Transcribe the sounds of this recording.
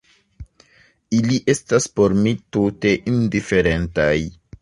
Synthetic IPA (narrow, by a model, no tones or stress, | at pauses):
iliʔe̞staspo̞ɾmitute̞ʔindife̞ɾe̞ntaj